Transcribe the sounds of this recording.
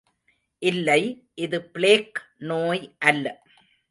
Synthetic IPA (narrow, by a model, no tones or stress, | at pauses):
ʔɪlːɐɪ | ʔɪðɯpɪɭeːknoːjʔɐlːɐ